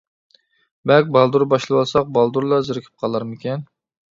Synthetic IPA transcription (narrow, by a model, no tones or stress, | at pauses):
bɛlkʲbɑlˠd̪uɾbɑʃlˠwɑlˠsɑq̚bɑlˠd̪uɾlˠɑzɪɾɪkʲʰi̥p̚qʰɑlˠɑɾmɪkʲɛn